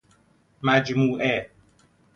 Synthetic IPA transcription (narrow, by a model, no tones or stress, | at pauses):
mæd͡ʒmuːʔɛ